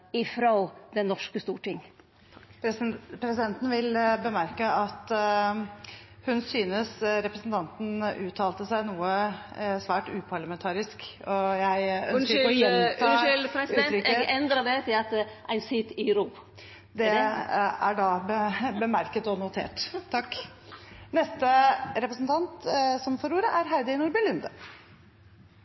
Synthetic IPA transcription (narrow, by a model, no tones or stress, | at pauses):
ɪfɾod̪ɛnːɔʂkəst̪uːʈɪŋ | pʰɾɛsɪd̪ɛnt̪n̩ʋɪlbəmæɾkəɑt̪ | hʉnsyːnəsɾɛpɾəsnt̪ʰɑnt̪n̩ʉːt̪ʰːɑːlt̪əsæɪnuːəsʋæːʈʉːpʰɑɭɑmɛnt̪ʰɑːɾɪskɔjæɪœ̰nɾɔjɛntʰːɪlpɾɛsɾʏːəɛnd̪ɾədɛt̪ʰɪlɑt̪ɛʔæɪnsɪt̪ɪɾub | d̪ɛ | æɖɑbəbəmæɾkət̪ɔnʊt̪ʰḛːʈt̪ʰɑkː | nɛst̪əɾɛpɾəsnt̪ʰɑnt̪sɔmfɔɾuːɾəʔæɾɦæɪd̪ɪnʊɾbɪlʉnd̪ə